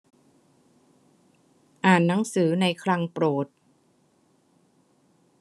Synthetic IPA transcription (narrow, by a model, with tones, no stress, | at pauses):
ʔaː˨˩nːa˩˦ŋsɯː˩˦na˧jkʰla˧ŋpɾoː˨˩t̪̚